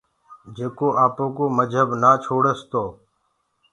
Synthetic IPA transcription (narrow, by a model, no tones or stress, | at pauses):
d͡ʒeːkoːʔaːpõːkoːməd͡ʒʱəbnaːt͡ʃʰoːɽəst̪oː